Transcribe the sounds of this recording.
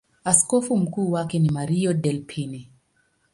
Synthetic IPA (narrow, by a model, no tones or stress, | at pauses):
askɔfum̩kuːwakɛnimaɾiɔdɛlpʰini